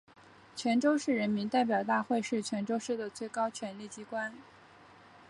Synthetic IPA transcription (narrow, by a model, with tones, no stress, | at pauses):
t͡ɕʰɥɛ˧˥nʈ͡ʂo˥ʊʂɻ̩˥˩ɻə˧˥nmi˧˥nt̪a˥˩ɪp̬jɑ˨˩ʊt̪a˥˧xwe˥˧ɪʂɻ̩˥˩t͡ɕʰɥɛ˧˥nʈ͡ʂo˥ʊʂɻ̩˥˩d̪ə˩t͡swe˥˩ɪkɑ˥ʊt͡ɕʰɥɛ˧˥nli˥˩t͡ɕi˥kwa˥n